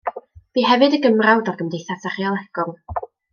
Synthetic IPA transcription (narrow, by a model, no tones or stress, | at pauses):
b̥iːɦɛvɨdəɡəmrawdɔrɡəmdejθasaχiɔlˠɛɡ̥ʊlˠ